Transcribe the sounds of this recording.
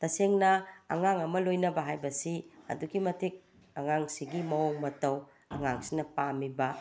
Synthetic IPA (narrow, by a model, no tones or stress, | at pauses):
tɐseŋnɐːŋaŋɐmɐlojnɐbɐɦajbɐsiɐ̰duɡimɐtʰik̚ | ɐŋaŋsiɡimɐoŋmɐtɐw | ɐŋaŋsinɐpamibɐ